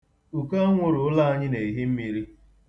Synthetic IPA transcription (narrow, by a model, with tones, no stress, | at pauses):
u˨ka˦ŋʷʊ˨ɾʊ˨ʊ˦la˦a˦ɲɪ˦ne˨i˨ɦi˦m̩˦mi˦ɾi˦